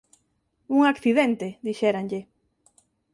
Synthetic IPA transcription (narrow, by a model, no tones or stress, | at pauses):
uŋakθiðent̪eðiʃɛɾanʎe